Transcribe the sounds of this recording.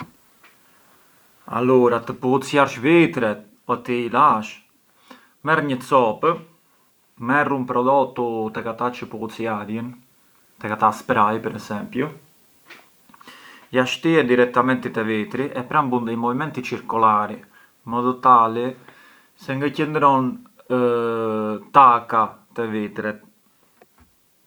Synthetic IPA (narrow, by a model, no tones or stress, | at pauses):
a̰luɾat̪əpuut͡sjaɾʃvit̪ɾɛt̪̚ | pɔt̪iilaʃ | mɛrɲət͡sɔpə | mɛrumpɾɔd̪ɔt̪ut̪ɛkat̪at͡ʃəpuut͡sjaɾjən | t̪ɛkat̪aspɾajpɛɾɛsɛmpju | jaʃt̪iɛd̪iɾɛk̚t̪amɛnt̪it̪ɛvit̪ɾiʔɛpɾambund̪əjmɔvimɛnt̪it͡ʃiɾkulaɾi | mɔðɔt̪ali | sɛŋɡacənd̪ɾɔn | t̪akat̪ɛvit̪ɾit̪̚